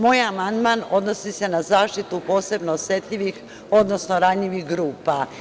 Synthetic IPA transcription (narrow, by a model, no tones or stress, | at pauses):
moːjamand̪maːno̞d̪no̞sise̞nazaːʃt̪it̪upo̞ːse̞bnoːsje̞t̪ʎʲiʋix | o̞d̪nosnoɾaʎiʋixɡɾuːpa